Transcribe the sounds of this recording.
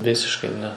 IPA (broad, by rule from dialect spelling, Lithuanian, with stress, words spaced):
ˈʋʲɪsʲɪʃkɐɪ ˈnʲɛ